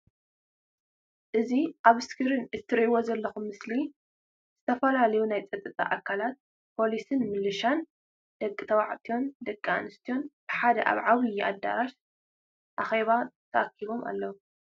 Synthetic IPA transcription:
ʔɨziʔaβɨskʰɨɾɨnɨt̪ʰːɨɾiwozɐlːɐxumːɨsli | z̥ɨt̪ʰɐfɐlalɐjunajt͡sʼɐt̪ʼːɨt̪ʼa̰ʔakʰːalat̪̚ | pʰo̞lisɨnmɨlːɨʃan | d̪̥ɐkʼːɨt̪ʰɐwaʕt̪ʰijo̞nd̪ɐkʼːaa̰nɨst̪ʰijo̞nb̥ɨħad̪ɐ̰ʔa̰βʕawijiʔa̰d̪ːa̰ɾaʃ | ʔaxeβat̪ʰɐʔakʰːiβo̞mʔa̰lːɐwu

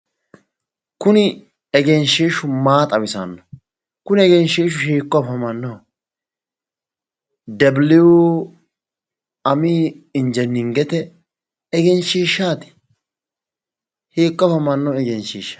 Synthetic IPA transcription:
kʊnɪ | ɛɡɛnʃiːʃʊmaːt̪ʼɐwɪsɐ̰nːɔ | kʊnɪɛɡɛnʃiːʃ̬ʊʃiːkːɔfɐmɐnːɔ | d̪ɛblɪu | ɐmiːɪnd͡ʒɛnːɪŋɡɛt̪ɛ | ɛɡɛnʃiːʃːaːt̪ɪ̥ | hiːkːɔfɐmɐnːɔɛɡɛnʃiːʃːɐ

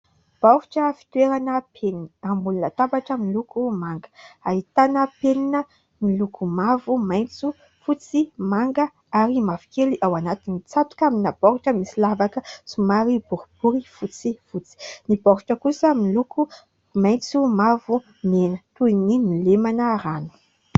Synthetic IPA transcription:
b̥ɔhuʈ͡ʂəfi̥t̪weɾanəpʰeninambulunət̪abaʈ͡ʂəmilukumaŋɡə̥ait̪anəpeninə | milukʰumavumajnt͡su | fut͡simaŋɡə | aɾimavi̥keliʔawanat̪init͡sat̪u̥kaminabɔɾuʈ͡ʂəmisilavakəsumaɾibuɾub̥uɾifut͡sifut͡si̥nibɔɾuʈ͡ʂəkusəmiluku | maj̃t͡sumavu | menət̪uininilemanəɾanu̥

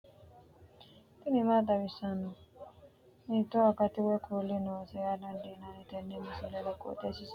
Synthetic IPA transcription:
t̪inimad̪aβisanɔ | nĩtɔakatiwɛkʰulenɔsɛjanandinanitɛnːimisɛlɛlako̰tesis

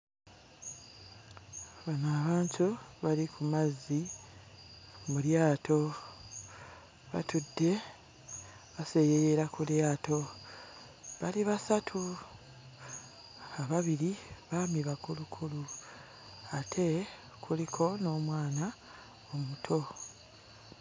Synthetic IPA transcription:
βanaːβaːntʰuβalikʰumazːi | muljaːtʰo̞ | βa̰tʰudːe̞ | βase̞jejeɾakuljaːto̞ | βaliβasatʰu | aβaβiɾiβamiβakulukʰulu | atʰe̞ | kʰulikʰo̞no̞ːmwaːna | omutʰo̞

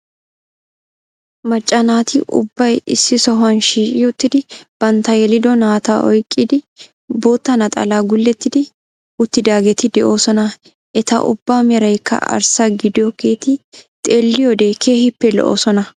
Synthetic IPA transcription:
mɐt͡ʃʼːɐnaːt̪ɪʔʊ̰bːɐjɪsːɪsɔɦʊɐnʃiːʃɪʊt̪ːɪd̪ɪb̥ɐnt̪ɐjɛlɪd̪ɔnaːt̪aʔɔjkʼːɪd̪ɪ | bo̞ːt̪ːɐnɐt̪ʼɐ̰laːɡʊlːɛt̪ːɪd̪ɪ | ʊt̪ːɪd̪aːɡɛt̪ɪd̪ɛʔo̞ːsɔnɐ | ʔɛt̪ɐ̰ʔʊ̰bːaːmɛɾɐjkʰːɐ̰ʔɐ̰ɾsaɡɪd̪ɪjɔke̞ːt̪ɪt̪ʼeːlːɪjɔd̪e̞ːkʰeːhɪpːɛlɔ̰ʔo̰ːsɔnɐ

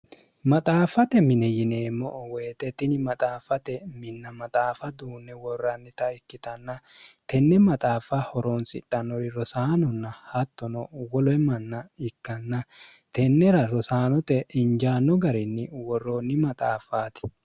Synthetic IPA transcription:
mɐt̪ʼaːfɐt̪ɛmɪnɛjɪne̞ːmːɔʔweːt̪ɛt̪ːɪnɪmɐt̪ʼaːfɐt̪ɛmɪnːɐmɐt̪ʼaːfɐd̪uːnːɛwɔrːɐnːɪt̪ɐɪkːɪt̪ɐnːɐt̪ɛnːɛmɐt̪ʼaːfɐhɔɾoːnsɪ̰tʼːɐnːɔɾɪɾɔsaːnɔnːɐhɐt̪ːɔnɔwɔlɔɛmɐnːɐɪkːɐnːɐ | t̪ɛnːɛɾɐɾɔsaːnɔt̪ɛɪnd͡ʒaːnːɔɡɐɾɪnːɪwɔrːoːnːɪmɐt̪ʼaːfaːt̪ɪ̥

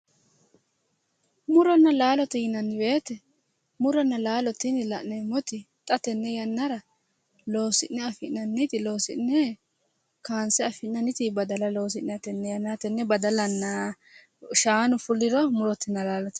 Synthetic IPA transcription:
mʊɾɔnːɐlaːlɔt̪ɛjɪnɐnːɪbeːt̪ɛ | mʊɾɔnːɐlaːlɔt̪ːɪnɪlɐʔnɛmɔt̪ɪ | t̪ʼɐt̪ɛnːɛjɐnːɐɾɐ | lo̞ːsɪʔnɛɐfɪʔnɐnːɪt̪ɪlo̞ːsɪnɛ | kaːnsɛɐfɪʔnɐnɪt̪ɪbɐd̪ɐlɐlo̞ːs̬ɪʔnɐt̪ɛnːɛjɐnːat̪ɛnːɛbɐd̪ɐlɐnːa | ʃaːnʊfʊlːɪɾɔmʊɾɔt̪ːɪnːɐlaːlɔt̪ɛ̥

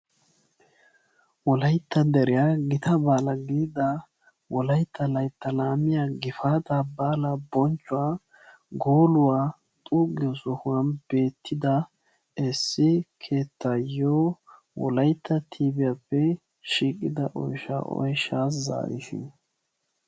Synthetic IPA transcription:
wɔlɐjt̪ːɐd̪ɛɾɪjaːɡɪt̪ʰɐbaːlɐɡiːd̪ɐ | wɔlɐjt̪ʰːɐlɐjt̪ːɐlaːmɪjaːɡɪfaːt̪abaːlɐbɔnt͡ʃʼːʊaː | ɡoːlʊwaː | t̪ʼuːɡɪɔsɔhʊwɐnb̥e̞ːt̪ʰːɪd̪ɐ | ɛsːɪkʰeːt̪ːajoː | wɔ̰lɐjt̪ːɐt̪ʰiːbɪjapːɛ | ʃiːkʼɪd̪ɐʔɔ̰jʃa̰ʔɔ̰jʃaːs̬za̰ːɾɪ̰ʃɪ̰n

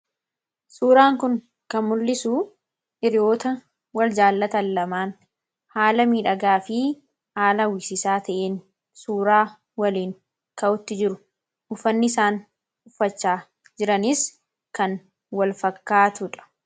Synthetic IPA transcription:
suːɾaːŋkʊŋ | kɐnmʊlːɪsuː | ʔɪɾɪjoːt̪ɐ | wɐld͡ʒaːlːɐt̪ɐlːɐmaːn | haːlɐmiːᶑɐɡaːfɪ | haːlɐwɪsɪsaːt̪ɐʔeːn | suːɾaː | wɐliːŋ | kɐʔʊt̪ːɪd͡ʒɪɾʊ | hʊfːɐnːɪɪsaːn | ʊfːɐt͡ʃːaː | d͡ʒɪɾɐnɪs | kɐn | wɐlfɐkːaːt̪ʊᶑɐ̥

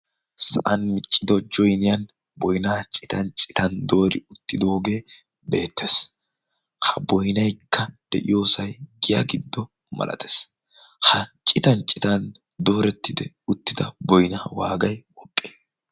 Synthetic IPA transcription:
sɐʔɐnmɪt͡ʃʼːɪd̪ɔd͡ʒɔjnɪjɐn | bɔjnaːt͡ʃʼɪt̪ɐnt͡ʃʼɪt̪ɐnd̪o̞ːɾɪʊt̪ːɪd̪oːɡe̞ː | be̞̰ːt̪ʰːes | hɐbɔjnɐjkʰːɐd̪̥ɛ̰ʔɪjo̞ːsɐjɡɪjɐ̰ɡɪd̪ːɔ | mɐ̰lʔɐ̰t̪ʰe̥s | hɐt͡ʃʼɪt̪ɐnt͡ʃʼːɪt̪ɐn | d̪o̞ːɾɛt̪ːɪd̪ɛ | ʊt̪ːɪd̪ɐbɔjnaːwaːɡɐjwɔkʼːe̥ː

